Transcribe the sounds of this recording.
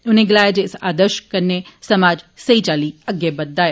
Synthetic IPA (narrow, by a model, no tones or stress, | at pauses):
ʊnẽɡɪlaːjaːd͡ʒeːɪsaːd̪əɾʃkəɾnesəmaːd͡ʒsəit͡ʃaːliːəɡebəd̪ːaːj